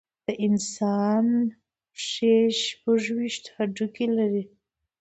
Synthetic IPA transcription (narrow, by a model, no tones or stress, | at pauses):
d̪əʔɪnsɑn | ʂeʃpəʐwiʃt̪haɖukelaɾi